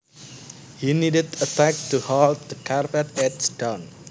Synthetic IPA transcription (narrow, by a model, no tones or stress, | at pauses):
hinidədətɛk̚tuhɔlt̚d̪əkʰaɹpətɛtsdãn